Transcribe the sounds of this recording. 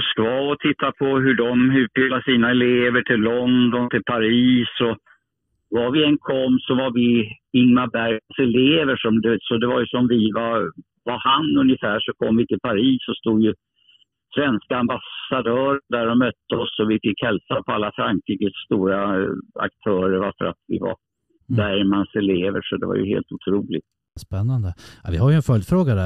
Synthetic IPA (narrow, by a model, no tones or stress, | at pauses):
mʊskvɑːɔt̪ʰɪt̪ʰːapʰɔɦɵɖɔmʉ̟ːt̪̚bɪlːaʂiːnaɛleːvəʈʰɪlːɔnd̪ɔnt̪ʰɪlpʰaɾiːsɔ | vaɾvɪɛnkʰɔmːsɔvaɾvɪ | ɪŋmabæɾjasɛleːvəʂɔmd̪et̪sɔd̪ɛvaɾjɵsɔmvɪvaɾ | vaɾhanɵnjəfæːʂɔkʰɔmːvɪt̪ʰɪlpʰaɾiːsːɔst̪uːd̪jɵ | svɛnskaambasad̪œːɾənd̪æɾɔmœt̪ːəɔsːɔvɪfɪkːhɛlsapʰɔalːafɾaŋkʰɾiːkəsːt̪uːɾaa̰k̚t̪ʰœːɾəɾvaɾfə̰ɾat̪vɪ̰va̰ɾ | bæɾmansɛleːvə̰ʂɔd̪ɛ̰va̰ɾjɵ̰hḛːlt̪ʊt̪ʰɾuːlɪ̰ɡ̚t̪ | spɛnːand̪əavɪhaɾjɵɛnfœljfɾoːɡad̪æ